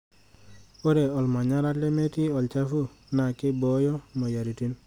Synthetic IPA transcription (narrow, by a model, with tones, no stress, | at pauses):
o˦ɾe˨ɔ˨lma˨ɲa˦ɾa˦le˦me˦ti˦ɔ˨lt͡ʃa˦fu˦ | na˨ke˦bo˨˦jo˦mo˨ja˨ɾi˨ti˦n